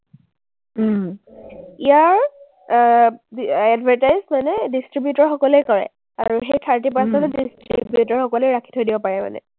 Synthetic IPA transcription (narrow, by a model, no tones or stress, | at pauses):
ijaɹ | ɛdvʱaɹtajzmanɛdistɹibjutɔɹxɔkɔlejkɔɹɛ̰ | a̰ɹuxejtʰaɹtip̬aɹsɛntʊdistɹḭbjutɔɹxɔkɔlɛjɹakʰi̥tʰojdibɔpaɹɛma̰nɛ̰